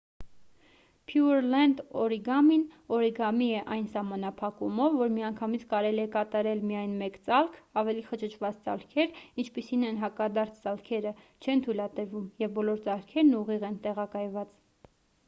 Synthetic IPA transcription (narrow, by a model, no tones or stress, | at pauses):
pʰjuɾlɛnd̪ɔɾiɡɑminɔɾiɡɑmiɛʔɑjnsɑmɑnɑpʰɑkumɔvːɔɾmiɑŋkʰɑmit͡sʰkɑɾɛliɛkɑt̪ɑɾɛlmijɑjnmɛkt͡sɑlkʰɑvɛliχət͡ʃʰət͡ʃʰvɑt͡st͡sɑ̰lkʰɛɾint͡ʃʰpisinɛnɦɑkɑd̪ɑɾt͡sʰt͡sɑlkʰɛɾə | t͡ʃʰɛnt̪ʰujlɑt̪əɾvumjɛvbɔlɔɾt͡sɑlkʰɛɾnuʁiʁɛnt̪ɛʁɑkɑjvɑt͡s